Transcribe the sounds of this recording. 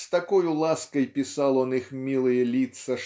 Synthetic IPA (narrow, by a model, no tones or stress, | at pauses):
st̪akɔjulˠaskɐjpʲisalˠɔnɨxmʲilˠɨjɛlʲit̪sɐ